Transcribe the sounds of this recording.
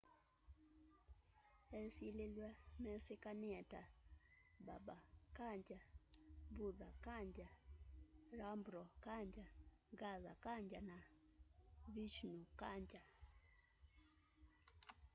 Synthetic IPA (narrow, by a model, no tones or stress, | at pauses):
ɛsilelwamɛsekaniɛta | ba̰bakaɲd͡ʒabuðakaɲd͡ʒa | ɾambɾɔkaɲd͡ʒaɡaza̰kaɲd͡ʒana | vit͡ʃnukaɲd͡ʒa